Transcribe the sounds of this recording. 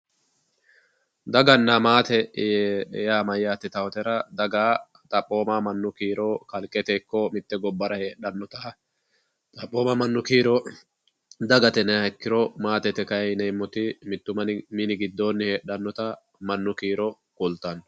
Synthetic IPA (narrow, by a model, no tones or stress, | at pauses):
d̪ɐɡɐnːamaːt̪ɛ | jaːmɐjːaːt̪ːɪt̪ɐwɔt̪ɛɾɐd̪ɐɡaː | t̪ʼɐpʼːo̞ːmamɐnːʊkiːɾɔkɐlkʼɛt̪ɛːkːɔmɪt̪ːɛɡɔbːɐɾɐheːɗɐnːɔt̪ɐ | t̪ʼɐpʼːoːmɐmɐnːʊkiːɾɔ | d̪ɐɡɐt̪ɛnɛɛkːɪɾɔmaːt̪ɛt̪ɛkɐjnɛjmːɔt̪ɪmɪt̪ːʊmɐnminɪɡɪd̪ːo̞ːnːɪhe̞ːɗːɐnːɔt̪ɐ | mɐnːʊkiːɾɔ | kʊlt̪ɐn